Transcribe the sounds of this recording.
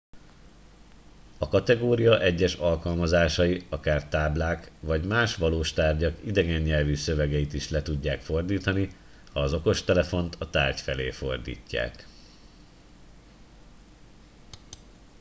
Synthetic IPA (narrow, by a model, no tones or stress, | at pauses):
ɒkɒt̪ɛɡoːɾijɒʔɛɟːɛʃɒlkɒlmɒzaːʃɒjiɒkaːrt̪aːblaːkʋɒɟmaːʃʋɒloːʃt̪aːrɟɒkid̪ɛɡɛɲːɛlvysø̞vɛɡɛjit̪iʃlɛt̪uɟːaːkfo̞rd̪iːt̪ɒni | hɒːzo̞ko̞ʃt̪ɛlɛfo̞nt̪ʰɒt̪aːrcfɛleːfo̞rd̪ḭːcːa̰ːk